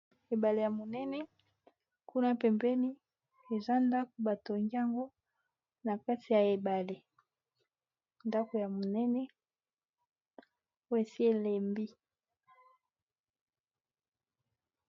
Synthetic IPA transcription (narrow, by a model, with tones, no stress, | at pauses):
e˨ba˨le˨ja˨mo˨nɛ˦nɛ˦ | ku˦na˦pɛ˨mbɛ˦ni˦ | e˨za˦nda˦ko˨ba˨to˨ŋɡi˦a˦ŋɡo˦ | na˨ka˦ti˨ja˨e˨ba˨le˨ | nda˦ko˨ja˨mo˨nɛ˦nɛ˦ | o˦e˨si˦e˨le˨mbi˦